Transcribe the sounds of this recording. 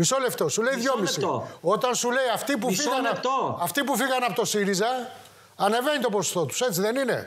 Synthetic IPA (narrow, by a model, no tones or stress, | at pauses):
miso̞le̞ft̪o̞sule̞iðʝo̞missit̪oo̞t̪ɐnsule̞iɐft̪ip̬ufisɣɐnlt̪oɐft̪ipufiɣɐnɐpo̞t̪o̞siɾizɐ | ɐne̞ve̞nit̪o̞pɾoso̥st̪o̞t̪u̥se̞t͡siðe̞nine̞̰